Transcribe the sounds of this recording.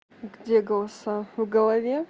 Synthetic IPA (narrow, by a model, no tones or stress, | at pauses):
ɡdʲeɡɐlˠsavɡɐlˠɐvʲe